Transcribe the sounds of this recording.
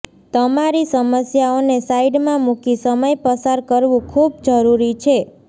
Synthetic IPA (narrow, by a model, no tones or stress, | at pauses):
t̪əmaɾisəməsjaonesaiɖmãmukisəməjpəsaɾkəɾʋũkʰubd͡ʒəɾuɾit͡ʃʰe